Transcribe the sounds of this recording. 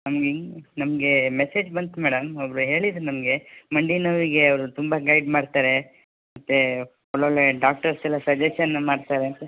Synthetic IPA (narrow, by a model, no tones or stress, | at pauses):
nɐmɡenɐmɡe̞meseːd͡ʒbɐnt̪umɛːɽɐmɐbɾuɦe̞ːɭid̪ɾunɐmɡe̞mɐɳɖinɐʋiɡe̞ɐʋɾut̪umbɐɡɐjɖmaːɖt̪aːɾe̞ | mmɐt̪ːe̞ | ɔɭoɭːeɖaːk̚ʈɐɾsɛlːɐsɐd͡ʒeʃɐnːɐmaːɖt̪aːɾeɐnt̪e